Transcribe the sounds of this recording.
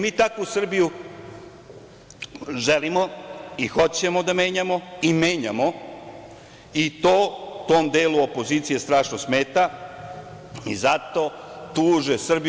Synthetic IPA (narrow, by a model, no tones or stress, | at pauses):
miːt̪akousr̩biju | ʒelimoixo̞t͡ɕe̞mod̪ame̞ːɲamo̞imeːɲamo̞ | it̪oːt̪oːmd̪eːluopo̞ziːt̪sije̞st̪ɾaːʂnosme̞ːt̪a | ḭzat̪o̞ | t̪uːʒesr̩bi